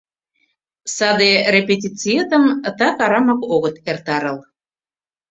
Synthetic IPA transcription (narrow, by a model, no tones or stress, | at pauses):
sɑd̪erepet̪ʲit͡siet̪əmt̪ɑkɑɾɑmɑkoɣət̪ert̪ɑɾəl